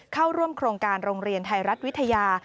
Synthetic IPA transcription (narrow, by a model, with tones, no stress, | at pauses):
kʰa˥˩wɾu˥˩əmkʰɾoː˧ŋkaː˧nɾoː˧ŋɾi˧ənt̪ʰa˧jɾa˦˥t̪̚wi˦˥t̪ʰa˧jaː˧